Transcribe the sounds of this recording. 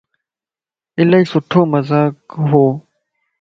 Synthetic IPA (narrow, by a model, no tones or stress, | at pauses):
ɪləiːsʊʈʰoːməzaːkɦoː